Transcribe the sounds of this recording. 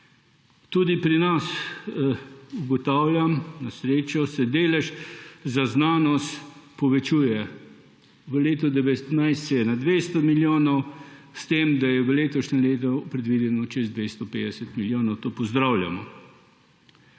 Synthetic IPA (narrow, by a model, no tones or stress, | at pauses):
t̪ud̪ipɾinas | uɡɔt̪aːwlʲjamnasɾeːt͡ʃɔsɛd̪eːlɛʃzaznaːnɔst̪pɔʋɛt͡ʃuːjɛ | ʋəleːt̪ɔd̪ɛʋɛt̪najst̪sɛjɛnad̪ʋest̪ɔmiljoːnɔwst̪eːmd̪ajɛʋəleːt̪ɔʃnɛleːt̪̬ɔpɾɛd̪ʋid̪ɛnɔt͡ʃɛzd̪ʋest̪ɔpeːd̪ɛsɛt̪miljoːnɔwt̪oːpɔzd̪ɾawlʲja̰mɔ̰